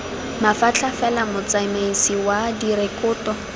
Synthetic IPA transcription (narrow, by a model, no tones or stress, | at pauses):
mafat͡ɬʰafɛlamʊt͡saimeisiwadiɾekʊːtɔ